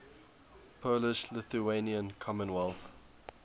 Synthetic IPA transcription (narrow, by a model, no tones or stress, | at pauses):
pʰolɪʃlɪθueniə̃nkʰɔmə̃nwɛlˠθ